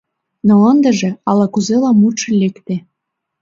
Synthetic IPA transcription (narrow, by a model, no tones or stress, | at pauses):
nɤ̆lɑnd̪ə̆ʒĕɑlɑkuzelɑmuʃɤ̆lʲekt̪e